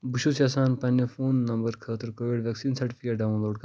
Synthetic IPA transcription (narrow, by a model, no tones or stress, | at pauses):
buʃusjaːsaːnpɐnːefoːnːɐ̃mbəɾkʰɐːt̪əɾkoːʋiɖʋʲɛksiːnsɐʈifʰikɐɖaːʋũnloːɖ̚kɐ